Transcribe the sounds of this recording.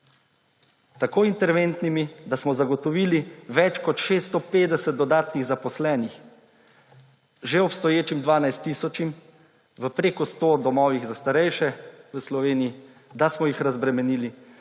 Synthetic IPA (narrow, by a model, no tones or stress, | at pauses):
t̪akoːint̪ɛɾʋent̪nimid̪asmɔzaɡɔt̪ɔʋiːliʋɛt͡ʃkɔt̪ʃeːst̪ɔpeːd̪ɛsɛt̪̚d̪ɔd̪aːt̪niɣzapɔslɛːnix | ʒeɔpst̪ɔjeːt͡ʃimd̪ʋaːnajst̪ːiːsɔt͡ʃim | ʋəpɾeːkɔst̪oːd̪ɔmɔːʋiɣzast̪aɾɛjʃɛʋəslɔʋeːniji | d̪asmɔjixɾazbɾɛmɛniːli